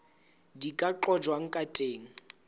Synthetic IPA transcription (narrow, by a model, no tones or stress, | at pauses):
dikʼaǃɔd͡ʒwaŋ̩kʼatʼeːŋ̩